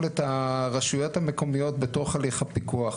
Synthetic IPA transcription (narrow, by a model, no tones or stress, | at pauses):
letaʁaʃujo̞thameko̞mijo̞tbeto̞χaliχapikuaχ